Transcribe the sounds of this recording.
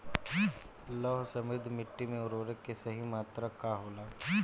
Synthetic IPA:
lɔːɦsɐmɪd̪ʱmɪʈːimẽʊɾoːɾekːesɐɦimaːt̪ɾakaɦoːlaː

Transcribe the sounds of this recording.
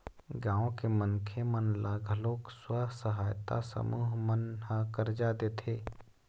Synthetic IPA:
ɡãːõkemənkʰemənlaɡʱəloːkswasəɦaːjt̪a̰sə̰muːɦmənɦãkəɾd͡ʒad̪eːt̪ʰeː

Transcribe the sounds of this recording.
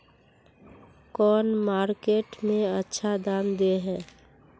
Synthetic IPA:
kɔːnmaːɾkeːʈmẽətːʃʰad̪aːnd̪eɦɛː

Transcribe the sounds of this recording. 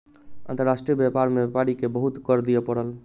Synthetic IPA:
ə̰̃nt̪əɾasʈɾijəbjapaɾmepaɽikebəɦut̪kɔɾd̪ijɛpəɽəl

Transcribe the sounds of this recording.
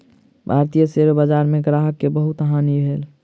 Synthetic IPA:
bʱaːɾt̪ijəseɾobad͡ʒaːɾmẽɡɾaːɦəkːebəɦʊt̪ɦaːnibʱeːl

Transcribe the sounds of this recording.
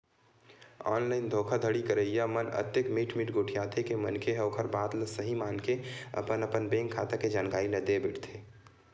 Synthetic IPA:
ɔ̰ːnlaːɪnd̪ʱoːkʰad̪ʱəɽikəɾəjjamənə̰t̪jəkmiːʈʰmiːʈɡoʈʰijat̪ʰekemənkʰeɦoːkʰəɾbaːd̪ləsəɦimaːnkeə̰pənəpənbẽŋkʰːat̪aked͡ʒaːnɡaːined̪ebeʈʰt̪ʰe

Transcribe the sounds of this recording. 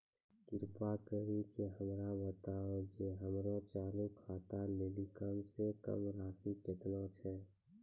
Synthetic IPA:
kɪɾpakəɦikeɦəmɾabət̪aːed͡ʒeɦəmɾõt͡ʃaːlũkʰaːt̪aleːlikəmsekə̰mɾaːsikɪt̪not͡ʃʰɛ

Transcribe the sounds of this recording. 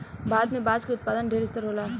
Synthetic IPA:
baːd̪nẽbaːzkiʊt̪̚paːd̪ənɖʱeːɾɪst̪əɾɦoːlaː

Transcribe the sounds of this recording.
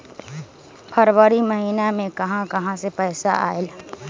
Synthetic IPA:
pʰɐɾʋəɾimɐɦiːnamẽkɐɦãkɐɦãsepɛːsa̰ʔa̰ːɪl

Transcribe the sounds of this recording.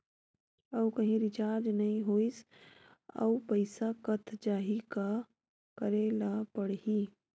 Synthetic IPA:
ɐwkɐɦĩɾɪt͡ʃaːɾd͡ʒnɐɦĩɦoːis | ɐ̰upəɪsakɐt̪ʰd͡ʒaːɦika | kəɾelapəɽɦiː

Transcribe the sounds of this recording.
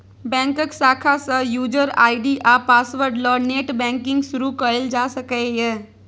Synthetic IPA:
bɛ̃ŋkəksaːkʰasə̃juːd͡ʒəɾa̰ːiɖiʔapaːsʋəɾɖlɔːneːʈbɛ̃ŋkɪ̃ŋɡsʊɾukəɾeld͡ʒaːsəkəje

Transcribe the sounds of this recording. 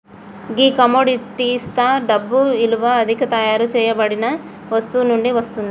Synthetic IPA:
ɡiːkɐmoːɖiʈist̪ʰaːɖɐbːuiluʋɐːd̪ʱikɐt̪ɐjaːɾut͡ʃɛːjɐbɐɽinɐ | ʋɐst̪uːnuɳɖiʋɐst̪und̪i

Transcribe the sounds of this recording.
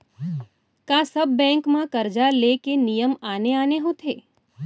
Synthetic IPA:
kãsəbːɛ̃ŋkmãkəɾd͡ʒalekenijəmaneaneɦũt̪ʰe

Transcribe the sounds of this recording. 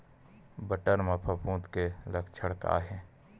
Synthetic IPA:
bəʈəɾmɐpʰəpũːt̪keləkt͡ʃʰəɽka̰ːɦẽː

